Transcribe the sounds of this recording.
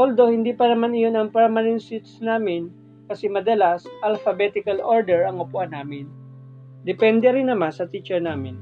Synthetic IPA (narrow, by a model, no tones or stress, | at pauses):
ʔold̪o̞hɪnd̪iːpɐnɐmanɪjo̞nɐŋpɛɹmɐnɛnt̪sɪt̪snaːmɪn | kɐsɛmɐd̪ɐlasʔɐlfɐbɛt̪ɪkɐlʔoɹd̪ɛɹɐŋʊpʊʔanaːmɪn | d̪ɛpɛnd̪ɛɾɪnːɐmansɐt̪it͡ʃɛɹnaːmɪn